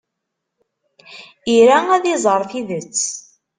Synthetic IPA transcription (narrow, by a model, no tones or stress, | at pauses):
iɾææðizˤəɾˤθiðət͡sː